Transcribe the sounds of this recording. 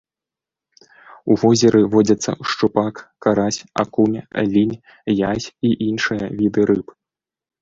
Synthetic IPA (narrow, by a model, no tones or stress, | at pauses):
uvɔzʲɛɾʔɨvɔd͡zʲɐt̪sːɐ̰ʂt͡ʂupakkːaɾasʲa̰kumʲlʲinʲ | jasʲiʔinʂɨjɐvʲid̪ɨɾɨp